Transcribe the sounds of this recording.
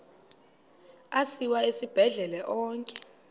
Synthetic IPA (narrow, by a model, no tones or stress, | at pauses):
asiwaesib̥ʱɛɮɛlɛʔɔːŋkʼɛ̥